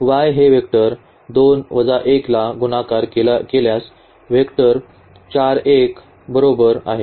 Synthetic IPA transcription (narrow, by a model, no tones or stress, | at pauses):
ʋajɦeʋekʈəɾ | d̪onʋəd͡zaʔeklaɡunakaɾkekeljas | ʋekʈəɾ | t͡ɕaɾek | bəɾobəɾa̰ɦe